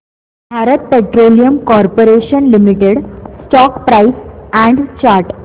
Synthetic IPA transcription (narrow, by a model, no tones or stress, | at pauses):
bʱaɾət̪̚peʈɾolijəmkɔɾpoɾeɕənlimiʈeɽsʈɔkpɾaisɛ̃ɳɖt͡ɕaɾʈ